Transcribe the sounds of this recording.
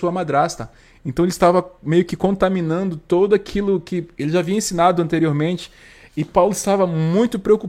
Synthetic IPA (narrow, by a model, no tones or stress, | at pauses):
uɐmad̪ɾast̪ɐ | ẽnt̪ɐ̃w̃eɪlɪst̪avɐmejʊkɪkõt̪amĩnɐ̃nd̪ʊt̪od̪ʊakʰilʊkɪelɪʒaːvĩɐẽsĩnad̪ʊɐ̃nt̪eɾioɾmẽnt͡ʃɪ̥ | ɪpawlʊɪst̪avɐmũj̃t̪ʊpɾeoku